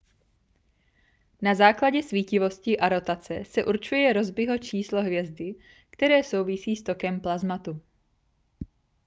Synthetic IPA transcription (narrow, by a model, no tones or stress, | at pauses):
nazaːklaɟɛsviːcɪvo̞scɪʔaɾo̞t̪at͡sɛsɛʔuɾt͡ʃujɛɾo̞zbɪɦo̞t͡ʃiːsloɦvjɛzdɪ | kt̪ɛɾɛːso̞wvɪsiːst̪o̞kɛmplazmat̪u